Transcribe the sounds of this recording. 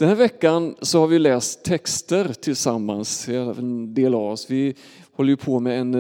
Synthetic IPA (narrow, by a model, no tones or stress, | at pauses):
d̥̪ɛnhæːɾvɛkːansɔhaɾvɪjlɛːst̪ʰːɛkst̪əɾt̪ʰɪlsamːansɛɛnd̪eːlavɔsvɪ | hɔlːəɾjɵpʰɔmɛɛn